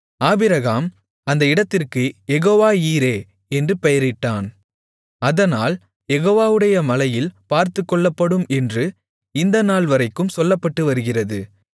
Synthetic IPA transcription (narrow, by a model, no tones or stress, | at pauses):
aːbɪɾɐɣaːm | ɐnd̪ɐɪɽɐt̪ːɪrkɯjɛɣoːʋaːiːɾeː | ɛndrɯpɛjɐɾɪʈːaːn | ɐðɐnaːl | jɛɣoːʋaːʋɯɽɐjɐmɐlɐjɪlpaːɾt̪ɯkːɔɭːɐpːɐɽɯmɛndrɯ | ɪnd̪ɐnaːlʋɐɾɐɪkːɯmsɔlːɐpːɐʈːɯʋɐɾɯɣɪrɐðɯ